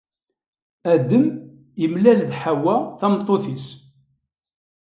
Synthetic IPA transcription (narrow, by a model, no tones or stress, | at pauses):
æd̪əm | jəmlælðħawæθæmt̪ˤːoθis